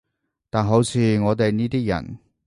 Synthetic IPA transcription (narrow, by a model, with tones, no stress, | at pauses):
t̪aː˨nɦo˨˥wt͡sʰiː˧ŋɔː˨˧t̪e˨jniː˥t̪iː˥jɐ̰˨˩n